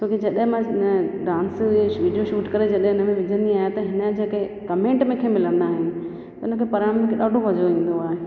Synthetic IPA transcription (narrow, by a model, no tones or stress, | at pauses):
t͡ɕoːkid͡ʑɐɗɦɪ̃mãnəɖãːnsʋiːɖijoʃuːʈkɐɾed͡ʑɐɗɦẽʊnə̆mẽʋɪd͡ʑʱə̃nd̪iaːɦet̪ɐɦɪnəd͡ʑeːkekɐmẽːɳʈmẽkʰemɪlə̃nd̪aːɦɪnɪ̆ | t̪ɐʊnəkʰepɐɾaːmkʰeɗaːɖʱoʋɐd͡ʑoĩːn̆d̪oaːɦe